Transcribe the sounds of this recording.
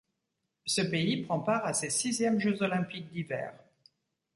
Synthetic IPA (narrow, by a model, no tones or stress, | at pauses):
səpeipχɑ̃paʁasesizjɛmʒøzɔlɛ̃pik̚d̪ivɛ̰ːʁ